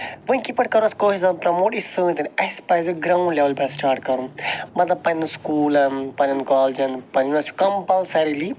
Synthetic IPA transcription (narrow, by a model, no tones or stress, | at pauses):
ʋũkipɐʈkɐɾũnɐskoːʃisɐnpɾɐmoːʈisɨ̃nt̪ɐnɐspajzɨɡɾaːwɳɖlʲɐʋɐlpɐ̃sʈaːɾʈ̚kɐɾunmɐt̪lɐb̚pɐnnuskuːlɐnpɐnɐnkaːld͡ʒɐnpɐnnɐskɐmpɐlsɐɾili